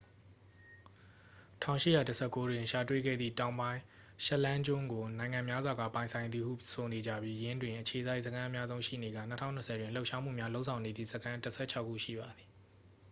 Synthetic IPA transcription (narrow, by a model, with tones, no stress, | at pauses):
tʰã˦˨ʊ̃ʃɪ̰˦˨ja˨tə˦sʰɛ˦˨kːo˦dwɪ̃˨ʃa˨twḛ˦˨ɡɛ̰˦˨d̪ðḭ˦˨tã˨ʊ̃mbã˦ɪ̃ | ʃɛ˦ʔlã˦ɲd͡ʑʊ̃˦˨ŋɡo˨nã˨ɪ̃ŋã˨mja˦zwa˨ɡa̰˦˨pã˨ɪ̃nsʰã˨ɪ̃d̪ði˨hṵ˦˨sʰo˨ne˨d͡ʑä̰˦˨bji˦jɪ̃˦ndwɪ̃˨ʔət͡ɕʰe˨za˦ɪʔsəkʰã˦ʔə˦mja˦zõ˦ʊ̃ʃḭ˦˨ne˨ɡä̰˦˨nə˦tʰã̰˦˨ʊnə˨sʰɛ˨dwɪ̃˨lo˦ʔʃa˦m̥ṵ˦˨mja˦lo˦ʊʔsʰã˨ʊ̃ne˨d̪ðḭ˦˨zəkʰã˦təsʰɛ̰˦˨t͡ɕʰa˦ʊʔkʰːṵ˦˨ʃḭ˦˨ba˨d̪ði˨